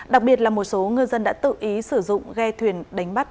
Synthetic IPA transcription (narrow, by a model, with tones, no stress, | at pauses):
ɗa˨˩k̚ɓi˨˩ət̚laː˨˩mo˨˩t̚so˨˦ŋɨ˧jzə˧nɗa̰ː˧˥t̪ɨ̰˧˨ʔi˨˦sɨ˧˩zʊ̰˧˨ŋ͡mɣɛ˧t̪ʰwi˨˩ənɗa˨˦jŋ̟ɓa˦˥t̚